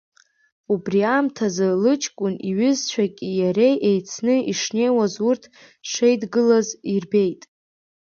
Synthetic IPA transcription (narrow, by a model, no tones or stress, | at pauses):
ubriamtʰazɨlɨt͡ʃʰʼkʷʼʊniɥʏzt͡ɕʷʰᶣakʲʼijaɾe̞jʔejt͡sʰnɨiʂne̞jwazurtʰ | ʂejdɡɨlazirbe̞jtʼ